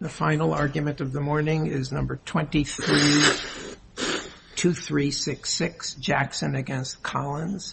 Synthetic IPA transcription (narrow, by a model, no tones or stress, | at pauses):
ðɨfãɪ̃nl̩ˠɑɹɡjɨmɨ̃ntʌvðəmɔɹnɪ̃ŋɪznʌ̃mbə˞tʰw̥ɛ̃ntiθɹi | tʰʉθɹisɪksɪksd̥ʒ̥æksɨ̃nɨɡɛ̃nstkʰɑlˠə̃nz̥